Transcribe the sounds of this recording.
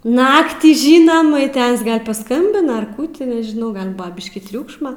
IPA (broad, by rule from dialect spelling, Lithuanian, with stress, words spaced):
ˈnɑːktʲiː ˈʒʲiːnɐm ɪ ˈtɐs ɡɐlˠ pɐˈskɐmʲbʲɪnɐ ɐr ˈkuː tʲɪ nʲɛʒʲɪˈnɐʊ ˈɡɐlˠ ˈbʊɐ ˈbʲɪʃʲkʲiː ˈtʲrʲuːkʃmɐ